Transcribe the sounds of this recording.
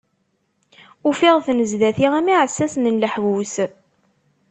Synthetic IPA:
ufiʁθnəzðæθiʁæmiʕəsːæsnənləħɡus

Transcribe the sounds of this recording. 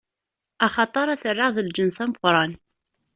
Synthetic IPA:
ɑχɑt̪ˤɑɾˤæθərːəðˤəld͡ʒənsæməqɾˤɑn

